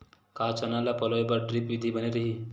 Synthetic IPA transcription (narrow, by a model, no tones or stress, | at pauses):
kat͡sɔnalapɔlɔebaɾɖɾipʋid̪ʱibəneɾəɦi